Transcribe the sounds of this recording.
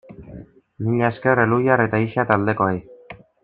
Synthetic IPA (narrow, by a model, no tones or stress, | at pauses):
miɲaeskerelujare̞t̪aiʃat̪ald̪e̞ko̞ej